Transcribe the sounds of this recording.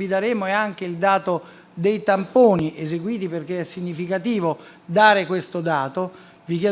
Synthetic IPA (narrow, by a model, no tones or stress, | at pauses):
id̪aɾeːmoɛaŋk̟eild̪aːt̪o | d̪ejt̪ampoːniʔezeɡwiːt̪iperk̟eɛsːiɲːifikat̪iːvo | d̪aːɾekwest̪od̪aːt̪o | vik̬jɛ